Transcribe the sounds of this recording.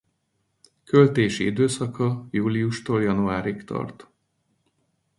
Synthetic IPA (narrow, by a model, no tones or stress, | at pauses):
kølt̪eːʃiid̪øːsɒkɒjuːliuʃt̪oːljɒnuaːɾikt̪ɒ̰rt̪